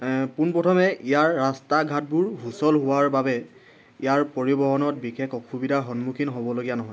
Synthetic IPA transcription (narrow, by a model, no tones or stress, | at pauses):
punpɔtʰɔmɛijaɹːastaɡʱat̚buɹɦusɔlɦʊwaɹbabɛ | ijaɹpoɹibɔɦɔnɔt̚bixekʰɔxʰubidʱaɦɔnmukʰinɦobɔloɡijanɔɦɔj